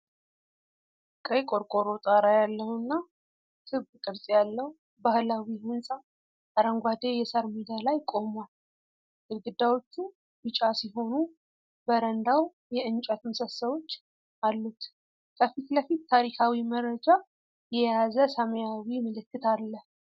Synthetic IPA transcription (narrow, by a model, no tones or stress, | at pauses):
kʼəjkʼo̞ɾkʼo̞ɾo̞t̪ʼaɾajalːəhnːa | t̪ʰɨβɨkʼɨɾsʼjalːəw | bahlawihɨnsʼa | aɾəŋɡʷad̪ejɛsəɾmid̪alajkʼo̞mal | ʔɨɾɡɨd̪ːawo̞t͡ʃːu | bɨt͡ʃʼasiɦo̞nu | bəɾənd̪aw | jɛɨnt͡ʃʼɛt̪məsəsəβo̞t͡ʃː | ʔalːut̪ | kʰəfit̪ləfit̪t̪ʰːaɾikʰawiməɾəd͡ʒa | jɛjazəsəməjawiməlɨkːɨt̪ʰalːəh